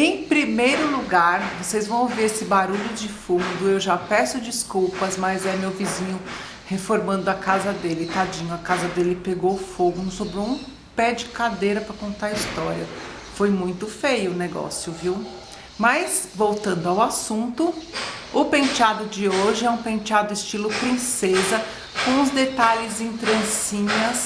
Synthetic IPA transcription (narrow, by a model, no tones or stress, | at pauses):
ẽj̃pɾimejɾʊluɡaɾvosejzvɐ̃w̃oviɾesɪbaɾuʎʊd͡ʒɪfumd̪ʊewʒapɛɾsʊd͡ʒiskuwpɐzmɐzɛmewvizĩɲʊ | hefoɾmɐ̃nd̪ʊɐkazɐd̪elɪt̪ad͡ʒĩɲʊɐkazɐd̪elɪpeɡoʊfoɡʊnũsobɾoũ | pɛd͡ʒɪkad̪ejɾɐpɾɐkõnt̪aɾɐist̪ɔɾjɐ | fojmũj̃t̪ʊfejʊːneɡɔ̰sjʊviw | mɐjsvowt̪ɐ̃nd̪ʊawasũnt̪ʊʊpẽt͡ʃad̪ʊd͡ʒɪoʒɪɛũpẽt͡ʃad̪ʊɪst͡ʃilʊpɾĩsezɐ | kõw̃ʊzd̪et̪aʎɪzĩt̪ɾɐ̃sĩɲɐs